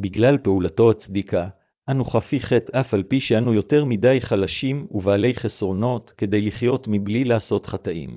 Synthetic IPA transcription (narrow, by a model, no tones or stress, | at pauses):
biɡlalpeulato̞at͡sd̪ikʰa | ʔanuχafiχe̞tafalpiʃeanujo̞te̞ʁmidajχalaʃimuvaːle̞jχesʁo̞no̞tke̞de̞jliχjo̞tmiblilaːso̞tχataʔḭm